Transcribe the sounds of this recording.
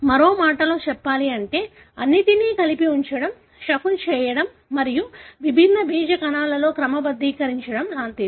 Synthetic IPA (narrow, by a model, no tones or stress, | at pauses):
mɐɾo̞ːmaːʈɐlo̞ːt͡ʃɛpːaːliɐɳʈe̞ː | ɐnːit̪iniːkɐlipiuɲt͡ʃɐɽɐm | ʃɐkunt͡ʃɛːjɐɽɐmːɐɾijuʋibʱinːɐbiːd͡ʒɐkɐnaːlɐlo̞ːkɾɐmɐbɐd̪ːiːkɐɾiɲt͡ʃɐɽɐmʃaːnt̪i